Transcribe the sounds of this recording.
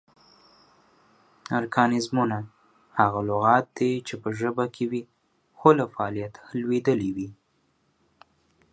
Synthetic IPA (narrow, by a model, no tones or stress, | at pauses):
aɾkʰɑnɪzmuna | haɣalʊɣɑt̪̚d̪et͡ʃepəʒəbakʰewi | xolafaːlijat̪lwed̪əliwi